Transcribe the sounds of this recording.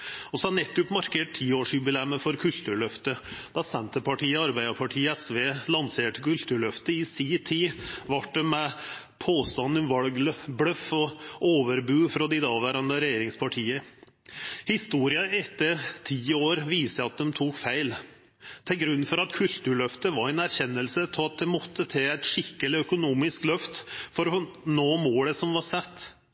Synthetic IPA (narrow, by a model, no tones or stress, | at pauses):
ɔsɔɑnɛt̪ːʉpːmɑɾkʰeːʈ̚t̪ʰiːoːʂiːd̪bɪlɛmːəfɔɾkʰʉlt̪ʉːɭœft̪əd̪̥ɑsɛnt̪əpʰɑʈiːəɑɾbæɪd̪əpʰɑʈʰiːɛsʋeːlɑnseːʈəkʉlt̪ʉːɭœft̪əɪsiːt̪ʰiːʋɑʈ̚ɖɛmɛ | pʰoːst̪ɑnːənʋɑlɡlblœfɔoːʋəɾbʉːfɾɔd̪ɪd̪ɑːʋæːɾɑnd̪əɾɛjeːɾɪŋspʰɑʈʰiːə | hɪst̪uːɾɪɑɛt̪ːəɾt̪ʰiːoːɾʋiːsəɑt̪̚d̪ɛmt̪ʰuːkfæɪl | t̪ʰɛlɡɾʉnːfɔɾɑt̪kʰʉlt̪ʉːɭœft̪əʋɑɾɛnæɾçɛnːəlsətʰɑt̪̚d̪ɛmɔt̪ʰːət̪ʰɛːæɪt̪ʂɪkːəlɪœkʊnuːmɪsklœft̪fɔɾɔnoːmoːləsɔmʋɑɾsɛt̪ː